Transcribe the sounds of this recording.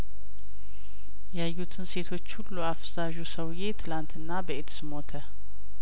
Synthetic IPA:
jajːut̪ʰɨnse̞t̪ʰo̞t͡ʃːhulːuafzaʒusəwje̞t̪ʰɨlant̪ɨnːabəet̪sɨmo̞t̪ʰə

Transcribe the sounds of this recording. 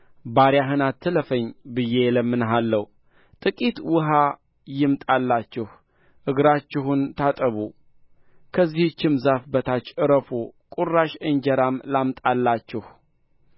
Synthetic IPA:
baɾjaɦɨnat̪ʰːɨləfəɲbɨjeləmːɨnɦalːəw | t̪ʼɨkʼit̪wʊɦa | jɪmt̪ʼalːat͡ʃːɪh | ʔɨɡɾat͡ʃːɪɦunt̪ʰat̪ʼəβu | kʰəzːiht͡ʃːɪmzafbət̪ʰat͡ʃːɨɾəfokʼurːaʃɨɲd͡ʒəɾamlamt̪ʼalːat͡ʃːɪh

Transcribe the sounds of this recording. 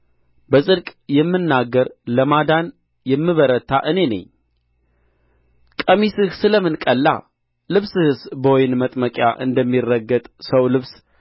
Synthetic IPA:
bəsʼɨɾkʼjɛmːɨnːaɡːəɾləmad̪an | jɛmːɨβəɾət̪ʰːaʔɨne̞nə̰ɲː | kʼəmisɨhsɨləmɨnkʼəlːa̰ | lɨβsɨhɨsbojnmət̪ʼməkʼja̰ʔɨ̰nd̪əmːirːəɡːət̪ʼsəwlɨβs

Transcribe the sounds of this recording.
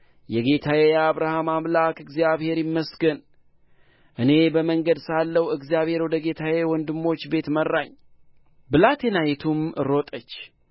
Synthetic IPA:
jɛɡe̞t̪ʰawejaβɾahamamlakɨɡzijaβhe̞ɾjɪmːəsɡən | ʔɨne̞bəməŋɡəd̪salːəwɨɡzijaβhe̞ɾwɔd̪əɡe̞t̪ʰawewɔnd̪ɨmːo̞t͡ʃːbe̞t̪mərːaɲ | bɨlat̪ʰenajɛt̪ʰumɨ̰ɾo̞t̪ʼət͡ʃː

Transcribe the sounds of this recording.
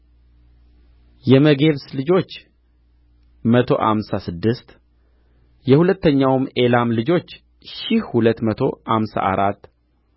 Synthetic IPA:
jɛməɡe̞βslɨd͡ʒo̞t͡ʃː | mət̪ʰo̞̰ʔa̰msasɨd̪ːɨst̪ | jɛhulət̪ːəɲːawme̞lamlɨd͡ʒo̞t͡ʃː | ʃɪhhulət̪ːmət̪ʰo̞̰ʔamsa̰ʔa̰ɾat̪ː

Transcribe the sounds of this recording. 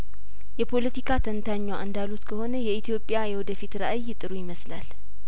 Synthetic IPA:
jɛpʰo̞lət̪ʰikʰat̪ʰənt̪ʰaɲːwaʔɨnd̪alut̪kʰəho̞nəjɛit̪ʰjo̞pʼːɪjajɛwɔd̪əfit̪ɾəʔajːɪt̪ʼɨɾujɪməslal

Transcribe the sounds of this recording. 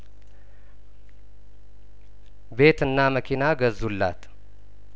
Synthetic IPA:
be̞t̪ɨnːaməkʰinaɡəzulːa̰t̪

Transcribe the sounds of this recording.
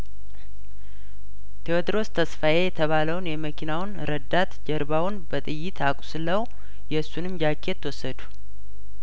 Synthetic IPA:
t̪ʰeot̪ɨɾo̞st̪ʰəsfaje̞jɛt̪ʰəβaləwnjɛməkʰinawnɾəd̪at̪d͡ʒəɾbawʊnbət̪ʼɨjːɪt̪ʰakʼu̥sɨləw | jɛsːunɨmd͡ʒakʰːe̞t̪ʰːwɔsːəd̪u̥

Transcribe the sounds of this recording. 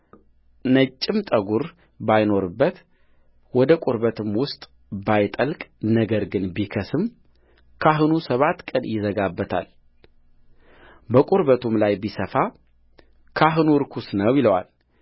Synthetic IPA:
nət͡ʃʼːɪmt̪ʼəɡuɾ | bajno̞ɾɨbːət̪ | wɔd̪əkʼuɾbət̪ʰɨmwʊst̪ʼ | bajt̪ʼəlkʼnəɡəɾɡɨnbikʰəsɨm | kʰaɦɨnusəβat̪ːkʼənjɪzəɡabːət̪ʰa̰l | bəkʼuɾβət̪ʰumlajbisəfa | kʰaɦɨnuɾkʰusnəwjɪləwa̰l

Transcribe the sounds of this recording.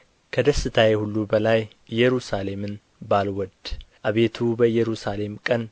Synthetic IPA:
kʰəd̪əsɨt̪ʰajehulːubəlaj | jːɛɾusale̞mɨn | balwɔd̪ʔaβe̞t̪ʰubəjɛɾusale̞mkʼən

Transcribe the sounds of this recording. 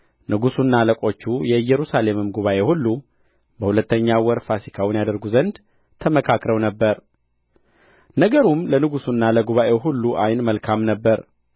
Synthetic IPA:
nɨɡusunːaləkʼo̞t͡ʃːujɛɨjːɛɾusale̞mɨmɡuβaʔe̞hulːu | bəhulət̪ʰːəɲːawɔɾfasikʰawʊnjad̪əɾɡuzənd̪ | t̪ʰəməkʰakɾəwnəbːəɾ | nəɡəɾumlənɨɡusunːaləɡuβaʔe̞ɦulːuʔajnməlkʰamnəbːəɾ

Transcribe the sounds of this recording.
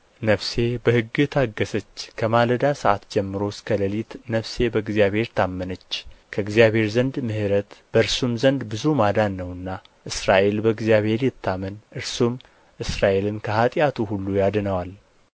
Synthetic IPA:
nəfse̞bəhɨɡːɨt̪ʰaɡːəsət͡ʃːkʰəmaləd̪asəʔat̪d͡ʒɛmːɨɾo̞skʰələlit̪nəfse̞bəɨɡzijaβhe̞ɾt̪ʰamːənət͡ʃːkʰəɨɡzijaβhe̞ɾzənd̪mɨhɨɾət̪b̥əɨɾsumzənd̪bɨzumad̪anːəwɨnːa | ʔɨsɾaʔe̞lbəɡzjaβhe̞ɾjɪt̪ʰːamənʔɨɾsum | ʔɨsɾaʔe̞lɨnkʰəhat̪ʼjat̪ʰuhulːujad̪ɨnəwal

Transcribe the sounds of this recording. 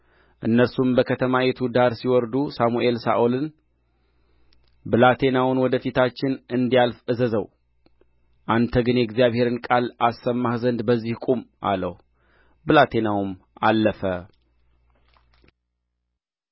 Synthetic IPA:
ʔɨnːəɾsumbəkʰət̪ʰəmajet̪ʰud̪aɾsiwɔɾd̪usamuʔe̞lsa̰ʔolɨn | bɨlat̪ʰe̞nawʊnwɔd̪əfit̪ʰat͡ʃːɪnɨnd̪ijalfɨzəzəw | ʔant̪ʰəɡɨnjɛɡzijaβhe̞ɾɨnkʼalasːəmːahzənd̪bəzːihkʼumʔa̰lə̰hu | bɨlat̪ʰe̞nawum | alːəfə

